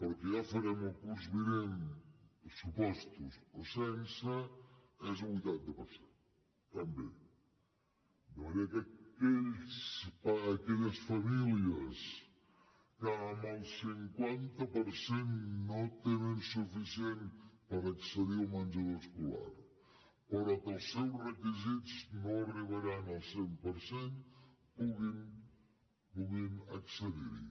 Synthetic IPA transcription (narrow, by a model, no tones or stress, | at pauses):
poɾkeʒafaɾɛmokuɾzβiɾeŋ | supɔst̪usosɛnsɐ | ɛzβujt̪ant̪apaɾsen | t̪ambḛ | d̪eeɾeakakeʎspaːkeʎasfamiljɐs | kamalsiŋkwant̪əpəɾsenːot̪enemsufisienpəɾəksəðiuwmand͡ʒaðoskula̰ɾ | pəɾɔkəlˠsːɛwsrəkizitznoariβaɾanəlˠsempəɾsen | puɣim | puɣimə̰ksəðḭɾḭ